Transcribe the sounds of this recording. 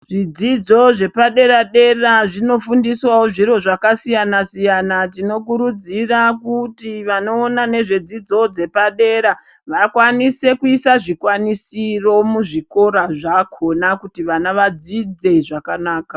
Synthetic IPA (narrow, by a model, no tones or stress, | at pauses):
ʐid͡zid͡zo̞ʐe̞paɗe̞ɾaɗe̞raʐino̞fundiswawoʐiɾo̞ʐakasijanasijanat̬ino̞k̬uɾud͡zirakutiʋano̞ːnane̞ʐe̞d͡zid͡zo̞d͡ze̞paɗe̞ɾa | ʋakwanise̞kuisaʐikwanisiro̞muʐiko̞ɾaʐakʰo̞nakutiʋanaʋad͡zid͡ze̞iʐakanaːkḁ